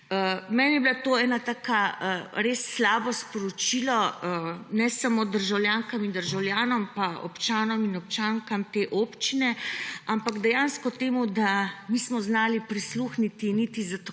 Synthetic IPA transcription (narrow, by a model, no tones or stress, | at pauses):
əmɛːnjɛbilat̪oːɛːnat̪aːkaɾeːsːlaːbɔspɔɾɔt͡ʃilɔ | nɛsamod̪əɾʒawljaːŋkamind̪əɾʒawljaːnɔmpaɔ̰pt͡ʃaːnɔminɔp̚t͡ʃaːŋkamt̪eʔoːpt͡ʃinɛampaɡd̪ɛjaːnskɔt̪eːmud̪amismɔznaːlipɾisluxnit̪init̪izat̪